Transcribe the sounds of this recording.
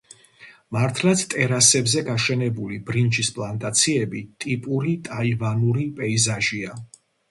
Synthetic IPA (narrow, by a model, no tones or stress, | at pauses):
maɾt̪ʰlˠat̪sʰt̪ʼɛɾasɛbzɛɡaʃɛnɛbulibɾind͡ʒispʼlˠant̪ʼat̪sʰiɛbit̪ʼipʼuɾit̪ʼaivanuɾipʼɛizaʒia